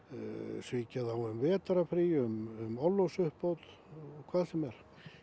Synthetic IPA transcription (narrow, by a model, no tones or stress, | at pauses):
sviːcaðawʏmvɛːt̪aɾafɾiʏmʏmɔlːowsʏhpowt̪ | ɔkʰvaːðsɛmɛɾ̥